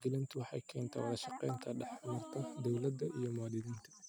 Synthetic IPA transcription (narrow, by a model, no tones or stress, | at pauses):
ɡɪlɪnt̪ʰʊwɑħɑ̰jkʰɛːnt̪ʰɐ̰wɐ̰ðɐʃɑqɛ̰jnt̪ʰɐɖɑħmɐrt̪ʰɐd̪ɔwlɐd̪ːɐʔijɞmʊaːd̪ɪðiːnt̪ʰɐ̥